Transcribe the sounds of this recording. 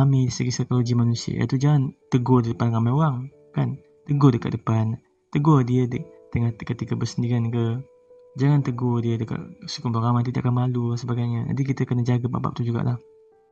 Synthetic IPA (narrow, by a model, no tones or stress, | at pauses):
amiisəɡisajkoloɡimanusiə̰ja̰t̪ud͡ʒaŋant̪əɡɔdidəpankamajoaŋ | kan | t̪əɡodəka̰ʔ̚dəpan | t̪əɡɔdiədət̪əŋakət̪ikəbəsəndiɡankə | d͡ʒaŋant̪əɡodiədəka̰ʔsu̥kʊmbaɾamat̪ida̰ʔkanmalusəbaɡajɲad͡ʒa̰dik̬it̪əkənəd͡ʒaɡapa̰ba̰ʔ̚t̪ud͡ʒuɡa̰ʔlah